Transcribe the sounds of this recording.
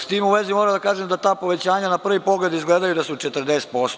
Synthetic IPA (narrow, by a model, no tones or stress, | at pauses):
st̪iːmuʋe̞zimoːɾad̪akaːʒemd̪at̪aːpo̞ʋe̞t͡ɕaːɲanapr̩ʋipo̞ɡle̞d̪izɡleːd̪ajud̪asut͡ʃet̪r̩d̪eːst̪̚po̞st̪o